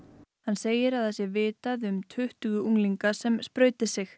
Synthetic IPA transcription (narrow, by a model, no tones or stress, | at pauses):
hanːseːjɪɾaðθasjɛvɪːt̪aðʏmt̪ʰʏht̪ʏɣʏuŋliŋkasɛmspɾœːɥt̪ɪsɪx